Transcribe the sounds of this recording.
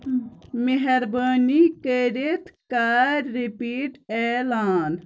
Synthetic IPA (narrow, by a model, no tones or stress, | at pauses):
meɦɐɾbaːnikəɾet̪kaːɾːipiːʈɛːlaːn